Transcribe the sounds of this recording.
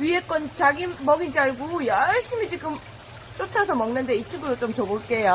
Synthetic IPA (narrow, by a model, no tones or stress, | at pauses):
ɥiɦek͈wʌnt͡ɕaɡimʌɡind͡ʑiaɭɡujʌɭɕ͈imit͡ɕiɡɯm | t͡ɕ͈ot͡ɕʰasʰʌmʌŋnɯnde̞it͡ɕʰiŋɡudot͡ɕ͈omt͡ɕʌboɭk͈e̞ja